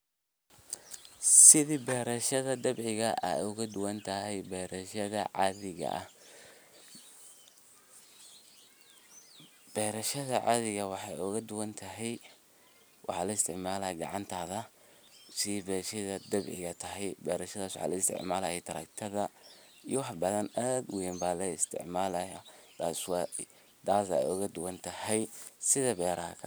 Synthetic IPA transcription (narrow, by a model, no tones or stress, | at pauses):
sɪðiːbɛːɾɐʃɐðɐd̪ɐbʕɪɣɐʔɐ̰ʊɣɐd̪ʊwɐnt̪ʰɐɦɛjbɛːɾɐʃɐðɐʕɑ̰ðɪɣɐ̰ʔɐ̰ | b̥ɛːɾɐʃɐðɐʕɑ̰ðɪɣɐwɑħɑjʊɣɐd̪ʊwɐnt̪ʰɐɦɛj | wɑ̰ħɑːlɐɪst̪ʰɪʕmaːlɐjɡɑ̰ʕɑnt̪ʰaːðɐ | sibɛːʃɐðɐd̪ɐbʕɪ̰ɣɐt̪ʰɐɦɛjbɛ̰ːɾɐʃɐðaːswɑ̰ħɑ̰ːlɐɪst̪ʰɪ̰ʕmaːlɐjɛt̪ʰɐɾɐ̰k̚t̪ʰɐðɐ | ijwɑħbɐðɐnaːd̪wɛmbaːlɐɪst̪ʰɪ̰ʕmaːlɐjad̪̥aːsw | d̪aːsɐ̰jʊɣɐd̪ʊwɐnt̪ʰɐhɛjsɪðɐbɛːɾɐhɐ̰kʰɐ